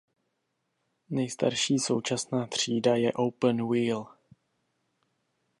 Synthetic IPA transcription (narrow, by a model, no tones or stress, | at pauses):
nɛjst̪aɾʃiːso̞wt͡ʃasnaːt̪r̝̥iːdajɛʔowpənwiːl